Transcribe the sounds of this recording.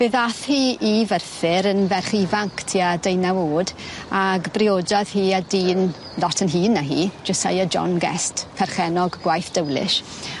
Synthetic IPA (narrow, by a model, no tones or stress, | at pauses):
b̥eːðaθhiːivərθɪɾənvɛrχivaŋkʰtʰiːadejnawoːdaɡbrioːdɔð̥hiːadiːn | lɔtʰənɦiːnːəɦḭːd͡ʒəsa̰jəd͡ʒɔ̰nɡɛ̰stpʰɛrχɛnɔɡɡwajθd̥əwlɪ̰ʃ